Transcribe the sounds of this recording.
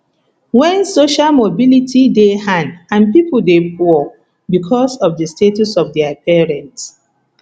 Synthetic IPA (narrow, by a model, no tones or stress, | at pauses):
wɛ̃nsoʃalmobilitʰidehãndãnpipuldepʰɔ | bikʰɔsɔfdəstetusɔvdɛapɛɹɛ̃nts